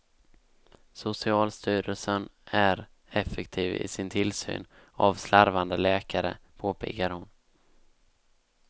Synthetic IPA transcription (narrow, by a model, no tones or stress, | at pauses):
sʊsɪɑːlst̪yːɾəlsənæɾ | ɛfɛkt̪ʰiːvɪ̰sɪnt̪ʰɪlsy̰ːn | avslaɾvand̪əlɛːkaɾə̰pʰoːpʰɪ̰ːkaɾhʊn